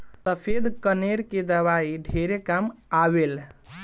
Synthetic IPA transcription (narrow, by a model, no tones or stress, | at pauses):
t̪əpʰed̪kəneɾked̪əβaiɖʱeɾekamaβel